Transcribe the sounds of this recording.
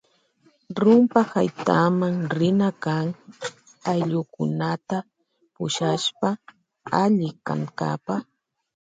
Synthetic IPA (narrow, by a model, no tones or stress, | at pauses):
ɾʊmpahajt̪amaŋɾɪnakaŋ | ajʎʊkʊ̰nat̪a | pʊʃaʃpa | aʎɪka̰ŋka̰pa